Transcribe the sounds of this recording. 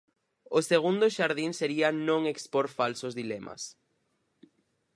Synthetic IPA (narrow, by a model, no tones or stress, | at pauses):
ʊseɣund̪ʊʃaɾðiŋseɾiɐnõŋekspoɾfalsʊzðilɛmɐ̰s